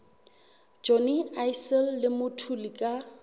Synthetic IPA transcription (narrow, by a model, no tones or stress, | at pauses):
d͡ʒɔniajsɛlːɪmʊtʰulikʼa